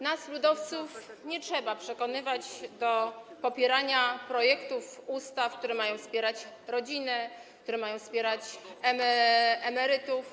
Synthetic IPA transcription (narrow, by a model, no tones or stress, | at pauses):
naslud̪ɔft̪sufɲɛt͡ʂʂɛbapʂɛkɔnɘvad͡ʑd̪ɔpɔpʲjɛɾaɲapɾɔjɛkt̪ufust̪afkt̪uɾɛmajɔ̃w̃spʲjɛɾat͡ɕɾɔd͡ʑinɛkt̪uɾɛmajɔ̃w̃spʲjɛɾat͡ɕɛmɛɛmɛɾɘt̪uf